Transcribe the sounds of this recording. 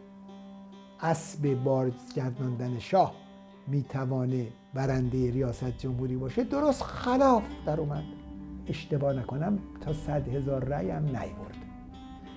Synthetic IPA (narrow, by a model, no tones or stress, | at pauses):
ʔæsbebɒːɾzɟæɾd̪ɒnd̪æneʃɒːh | miːt̪ʰævɒːne | bæɾænd̪e̞jeɾijɒːsæt̪̚ʰd͡ʒomhuːɾiːbɒːʃed̪oɾost̪xælɒːfd̪æɾuːmæd̪e̞ʃt̪e̞bɒːnækʰo̞næmt̪ʰɒːsæd̪he̞zɒːɾːæːjæmnæ̰jbo̰ɾd̪̥